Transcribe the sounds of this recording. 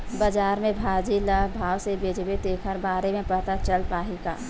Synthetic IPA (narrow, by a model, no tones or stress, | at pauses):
bəd͡ʒaːɾmẽbʱaːd͡ʒiləbʱaːwsebeːd͡ʒbet̪eːkʰəɾbaːɾemẽpəɽt̪at͡ʃəlpaːɦika̰ː